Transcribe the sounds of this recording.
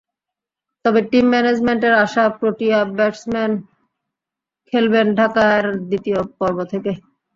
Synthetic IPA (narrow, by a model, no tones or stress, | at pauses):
t̪ɔbeʈimːɛned͡ʑmeɳʈeɾaʃapɾoʈiabɛʈsmɛn | kʰelbenɖʱakaɾd̪it̪ijopɔɾbot̪ʰeke